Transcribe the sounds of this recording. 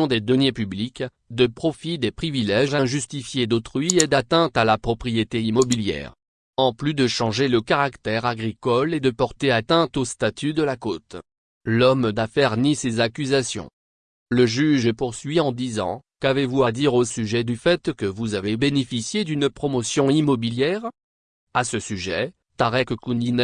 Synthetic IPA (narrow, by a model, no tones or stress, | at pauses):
ɔ̃d̪ed̪ɔnjepyblik | d̪əpχɔfid̪epχivilɛʒɛ̃ʒyst̪ifjed̪ot̪χɥied̪at̪ɛ̃t̪alapχɔpχijet̪eimɔbiljɛ̰ːʁ | ɑ̃plyd̪əʃɑ̃ʒeləkaʁakt̪ɛʁaɡʁikɔled̪əpɔʁt̪eat̪ɛ̃t̪ost̪at̪ʰyd̪əlakot̪ | lɔmd̪afɛʁnisezakʲyzasjɔ̰̃ | ləʒyʒpuʁsɥiɑ̃d̪izɑ̰̃kavevuad̪iʁosyʒɛd̪yfɛt̪kəvuzavebenefisjed̪ynpχɔmɔsjɔ̃imɔbiljɛʁ | asəsyʒɛ | t̪aʁɛkkunin